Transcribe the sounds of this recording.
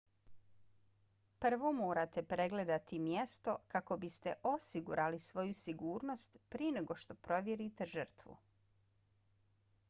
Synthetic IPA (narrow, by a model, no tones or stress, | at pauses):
pr̩ʋo̞mo̞ːɾat̪e̞pɾe̞ɡle̞d̪at̪imjest̪o̞kako̞bist̪eʔo̞siɡṵɾʔalisʋo̞jusiɡuːɾno̞st̪pɾieneɡo̞ʃt̪o̞pɾo̞ʋʲjeɾit̪eʒər̩t̪ʋṵ